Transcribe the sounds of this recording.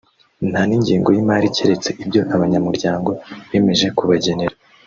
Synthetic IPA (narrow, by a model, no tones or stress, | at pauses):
n̥haniɲɟiːŋɡo̞jimaːɾiceɾet͡se̞ʔibɟo̞ʔaβaɲamuɾɟaːŋɡo̞βeːme̞ʒe̞kuβaɟe̞neɾa